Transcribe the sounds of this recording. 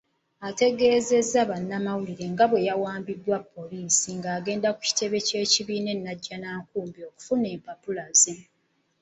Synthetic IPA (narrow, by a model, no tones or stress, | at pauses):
ate̞ɡe̞ːze̞zːaβanːamawuliɾe̞ŋɡaβwe̞jawaːmbidwapːo̞liːsiŋɡaːɡe̞ːndaku̥ci̥te̞βe̞ce̞ːciβiːne̞nːaɟːanaːkuːmbio̞ːku̥fune̞ːmpapulaze